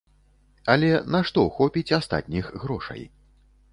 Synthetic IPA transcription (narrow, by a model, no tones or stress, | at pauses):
ɐlʲɛnaʂt̪ɔxɔpʲit͡sʲast̪a̰t̪ʲnʲixɣɾɔʂɐ̰j